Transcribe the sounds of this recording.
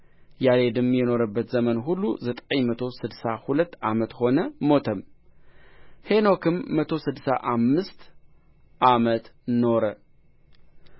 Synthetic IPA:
jaled̪ɨmjɪno̞ɾɐbːət̪zɐmɐnɦulːuzɨt̪ʼɐjmɐt̪ʰo̞sɨd̪sahulɐt̪ːʔa̰mɐt̪xo̞nɐmo̞t̪ʰɐm | he̞no̞kʰɨmːɐt̪ʰo̞sɨd̪sa̰ʔamːɨst̪ | ʔamɐt̪no̞ɾɐ

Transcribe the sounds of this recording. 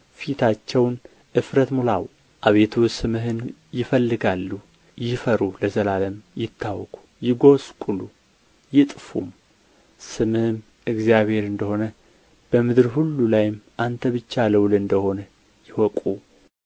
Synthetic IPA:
fit̪ʰat͡ʃːɛwn | ʔɨfɾət̪mulaw | ʔaβe̞t̪ʰusɨmɨɦɨnjɪfəlːɨɡalːu | jɪfəɾuləzəlaləmjɪt̪ʰːawkʼu̥jɪɡo̞skʷʼulu | jɪt̪ʼfṵm | sɨmɨhɨm | ɨɡzjaβhe̞ɾɨnd̪əho̞nə | b̥əmɨd̪ɨɾhulːulajɪmʔant̪ʰəβɨt͡ʃːaləwlɨnd̪əho̞nə | jɪwɔkʼu

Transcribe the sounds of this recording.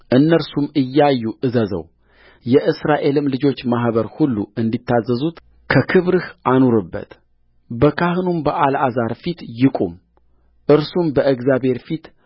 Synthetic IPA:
ʔɨnːəɾsumɨjːajːuʔɨzəzə̰w | jɛʔɨsɾaʔe̞lɨmlɨd͡ʒo̞t͡ʃːmaɦβəɾhulːṵɨnd̪it̪ʰːazːəzut̪ | kʰəkʰɨβɾɨhʔanoɾɨbːə̰t̪ | bəkʰahɨnumbəʔalʔazaɾfit̪jɪkʼṵm | ʔɨɾsumbəʔɨɡzabhe̞ɾfit̪

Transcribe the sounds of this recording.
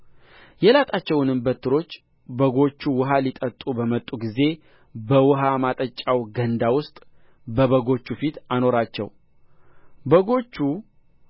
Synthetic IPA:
jɛlat̪ʼat͡ʃːɛwnɨmbət̪ʰːɨɾo̞t͡ʃː | bəɡo̞t͡ʃːuwʊɦalit̪ʼət̪ʼubəmət̪ʼːuɡize̞ | bəwʊɦamat̪ʼət͡ʃʼːawɡənd̪awʊst̪ʼ | bəβəɡo̞t͡ʃːufit̪ano̞ɾat͡ʃːɛ̰w | bəɡo̞t͡ʃːu

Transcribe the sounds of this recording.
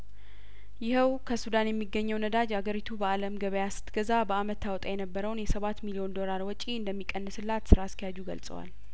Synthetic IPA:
jɪhəwkʰəsud̪anjɛmːiɡəɲːəwnəd̪ad͡ʒaɡəɾit̪ʰubəaləmɡəβəjasɨ̥t̪ɡəzabəamət̪ʰːawɔt̪ʼajɛnəbːəɾəwnjɛsəβat̪milio̞nd̪o̞laɾwɔt͡ʃʼiɨnd̪əmːikʼːənːɨsɨlːat̪sɨɾaskʰijad͡ʒuɡə̰lsʼə̰wa̰l

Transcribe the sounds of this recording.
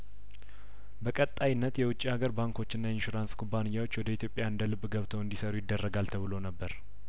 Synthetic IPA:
bəkʼət̪ʼːajɪnːət̪jɛwʊt͡ʃʼːiaɡəɾbaŋkʰo̞t͡ʃːɪnːajɛɪnʃuɾanskʰubːanɨjːawo̞t͡ʃːwɔd̪əit̪ʰjo̞pʼːjaɨnd̪əlɨbːɡəβt̪ʰəwɨnd̪isəɾujɪd̪ːərːəɡalt̪ʰəβɨlo̞nəbːəɾ

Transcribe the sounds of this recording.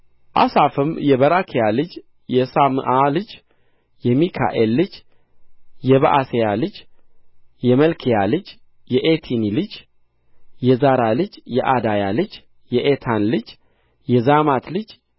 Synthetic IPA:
ʔa̰safɨmjɛβəɾakʰijalɨd͡ʒ | jɛsamɨ̰ʔalɨd͡ʒ | jɛmikʰa̰ʔelːɨd͡ʒ | jɛβəʔasejalɨd͡ʒ | jɛməlkʰijalɨd͡ʒ | jɛʔet̪ʰinilɨd͡ʒ | jɛzaɾalɨd͡ʒjɛʔad̪ajalɨd͡ʒ | jɛʔet̪ʰanlɨd͡ʒ | jɛzamat̪lɨd͡ʒ

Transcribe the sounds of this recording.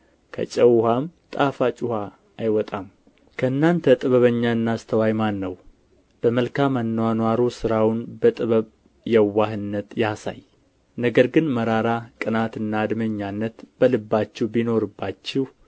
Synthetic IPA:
kʰə̰t͡ʃʼəwhamt̪ʼafat͡ʃʼuhaː | jwɔt̪ʼam | kʰəɨnːant̪ʰət̪ʼɨβəβəɲːaɨnːast̪ʰəwajmanːəw | b̥əməlkʰamanːəwanwaɾosɨɾawnbət̪ʼɨβəβ | jɛwːaɦɨnːət̪jasa̰j | nəɡəɾɡɨnməɾaɾakʼɨnat̪ɨnːad̪məɲːanːət̪b̥əlɨbːat͡ʃːɛwbino̞ɾɨbːat͡ʃːɪh

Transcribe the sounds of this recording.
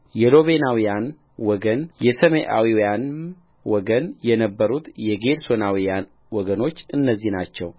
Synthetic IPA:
jɛlo̞βenawijan | wɔɡənjɛsəmeʔa̰wiwjan | wɔɡənjɛnəbːəɾut̪jɛɡeɾsonawijan | wɔɡəno̞t͡ʃːɨnːəzːihnat͡ʃːɛw

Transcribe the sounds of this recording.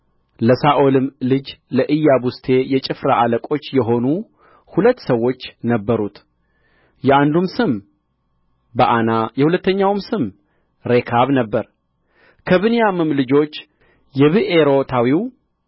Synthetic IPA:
ləsaʔo̞lɨmlɨd͡ʒləʔɨjːabust̪ʰe̞jɛt͡ʃʼɨfɾaʔaləkʼo̞t͡ʃːjɛɦo̞nu | hulət̪ːsəwːo̞t͡ʃːnəbːəɾut̪ | jɛand̪umsɨm | bəʔanajɛhulət̪ːəɲːawmsɨm | ɾekʰaβnəbːəɾ | kʰəβɨnijamɨmlɨd͡ʒo̞t͡ʃː | jɛβɨʔeɾo̞t̪ʰawiw

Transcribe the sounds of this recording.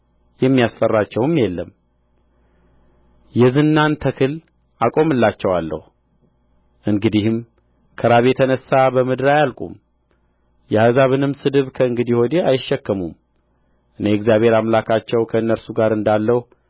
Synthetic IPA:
jɛmːijast̪ʼərːat͡ʃːɛwɨmjɛlːəm | jɛzɨnːant̪ʰəkʰɨl | akʼo̞mɨlːat͡ʃːɛwalːə̰hu | ʔɨŋɡɨd̪ihɨm | kʰəɾaβjet̪ʰənəsːabəmɨd̪ɨɾajalkʼṵm | jɛhazaβɨnɨmsɨd̪ɨβkʰəɨŋɡɨd̪iho̞d̪eajɪʃːɛkːəmum | ʔɨneɨɡzijaβhe̞ɾamlakʰat͡ʃːɛwkʰəɨnːəɾsuɡaɾɨnd̪alːəh

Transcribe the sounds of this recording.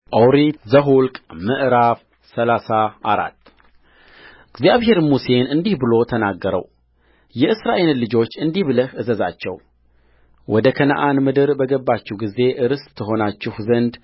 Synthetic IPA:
ʔəwɾit̪zəɦulkʼmɨʔɾaf | səlasaʔaɾa̰t̪ː | ɨɡzijaβɦe̞ɾmuse̞nɨnd̪ihbɨlo̞t̪ʰənaɡːəɾə̰w | jɛʔɨsɾaʔe̞llːɨd͡ʒo̞t͡ʃːɨnd̪iβləhʔɨzəza̰t͡ʃːɛ̰w | wʔɔd̪əkʰənə̰ʔanmɨd̪ɨɾbəɡəbːat͡ʃːɛwɡize̞ʔɨɾɨst̪ʰːɨɦo̞nat͡ʃːɪhzənd̪

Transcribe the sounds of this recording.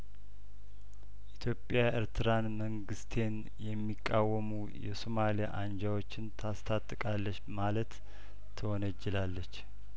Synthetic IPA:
ʔit̪ʰjo̞pʼːjaəɾt̪ʰɨɾanməŋɡɨst̪ʰe̞n | jɛmːikʼːawːəmu | jɛ̰somalija̰ʔand͡ʒawo̞t͡ʃːɪnt̪ʰast̪ʰat̪ʼːɨkʼalːət͡ʃːmalət̪ʰː | əwɔnəd͡ʒːɛlalːət͡ʃː

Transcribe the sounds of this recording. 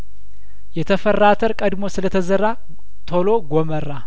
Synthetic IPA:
jɛt̪ʰəfərːat̪ʰəɾkʼəd̪mo̞sɨlət̪ʰəzərːa | t̪ʰolo̞ɡomərːa

